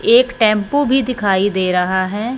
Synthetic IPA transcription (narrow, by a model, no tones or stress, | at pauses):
eːkʈɛ̃ːmpobʱid̪ɪkʰaːid̪eːɾəɦaɦɛː